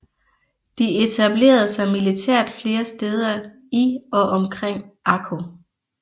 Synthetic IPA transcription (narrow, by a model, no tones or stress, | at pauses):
d̥ie̝t͡sʰæb̥le̝̰ːɐð̞̩ˠsɑ̈ɪmilit͡sʰæɐ̰d̥fle̝ːɐsd̥eːð̞ˠɐ | iɒ̽ʔɒ̽mkʰʁeŋ̰ʔɑkʰo